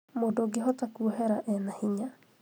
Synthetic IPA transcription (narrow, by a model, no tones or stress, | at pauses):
modoɡeɦɔtakuoɦɛɾaʔɛnahiɲa